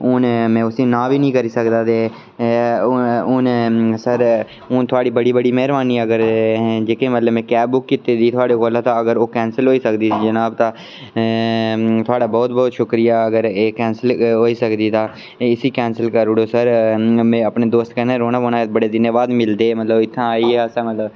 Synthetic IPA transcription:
ʊnmɛ̃ːʊsĩːnãːʋiːnəĩːkəɾiːsəkd̪aːt̪eː | ʊnsəɾ | ʊnt̪ʰʊaːɽiːbəɽiːbəɽiːmɛɦɾbaːniːəɡəɾd͡ʒeːkẽːmət̪ləbmɛ̃ːkɛːbbʊkːɪt̪eːd̪iːt̪ʰʊaːɽeːkoːlãːt̪ãːəɡəɾoːkɛːnsəlɦoːiːsəkd̪ĩːd͡ʒənaːbt̪ãː | t̪ʰʊaːɽaːbɔːt̪̚bɔːt̪ʃʊkɾɪjaːəɡəɾeːkɛːnsəlɦoːiːsəkd̪iːt̪ãː | ɪsiːkɛːnsəlkəɾɽoːsəɾmɛ̃ːəpɳeːd̪oːst̪kənẽːɾoːnaːonãːbəɽeːd̪ɪnjaːʋaːd̪mɪld̪eːmət̪ləbɪt̪ʰːãːaːiːasəmət̪ləb

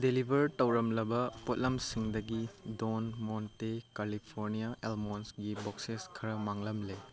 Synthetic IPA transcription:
delibʱɐɾtɐwɾɐmlɐbɐpot̚lɐmsiŋdɐɡidonmontekalipʰoɾnijaʔelmonsɡibokseskʰɐɾɐmaŋlɐmle

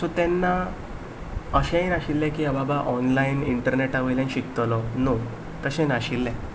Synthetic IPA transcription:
sɔt̪ɛnːa | əɕɛ̃naɕilːɛ̃kiababaʔɔnlainiɳʈəɾneʈaʋəjlaniɕikt̪lɔno | t̪əɕɛ̃naɕilːɛ̃

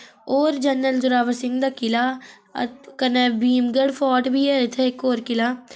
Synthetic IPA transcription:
oːɾd͡ʒənːəlzʊɾaːʋəsɪŋɡd̪aːkɪlaː | kənɛːbiːmɡəɽpʰɔːʈbiːɛːɪt̪ʰːeːɪkoːɾkɪlaː

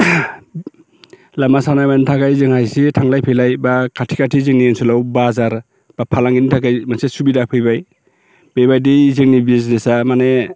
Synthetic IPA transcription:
lamasanajmanitʰakajzɯŋhajsetʰaŋlajpʰɯjlajbakʰatʰi̥kʰatʰizɯŋniensulawbazaɾ | b̥apʰalaŋɡinitʰakajmansesubidapʰɯjbaj | b̥ebajdizɯŋnibisnesamane

